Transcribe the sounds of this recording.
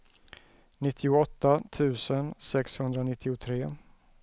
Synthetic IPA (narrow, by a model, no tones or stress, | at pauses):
nɪt̪ʰːɪʊɔt̪ːat̪ʰʉ̟ːsənsɛkshɵnd̪ɾanɪt̪ʰːɪʊt̪ʰɾeː